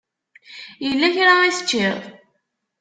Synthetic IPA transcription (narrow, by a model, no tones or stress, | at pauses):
jəlːæçɾaisə̥t͡ʃːɪðˤ